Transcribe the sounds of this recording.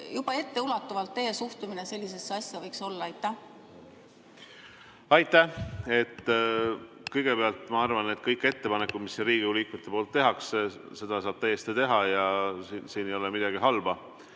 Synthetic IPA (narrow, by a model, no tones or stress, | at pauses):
jub̥ɑe̞t̪ːe̞ulɑt̪ːˑuvɑlt̪ːe̞ːjesuht̪umine̞se̞lʲːis̬e̞sːeɑsʲjɑvɤjkso̞lːɑɑjt̪ːˑæh | ɑjt̪ːˑæhe̞t̪ːˑ | kɤjɡ̥e̞beɑlt̪ˑmɑɑrvɑnːed̪̥̚kɤjkːˑe̞t̪ːe̞pɑnekːˑud̪̥misːiriːɡ̥iuliːkmut̪ːˑe̞poːlt̪ːe̞ɦɑksse̞d̪̥ɑsɑːb̥̚t̪æjːest̪it̪e̞ɦɑjɑsinsiːnejo̞lɛmid̪̥ɑɡiɦɑlb̥ɑ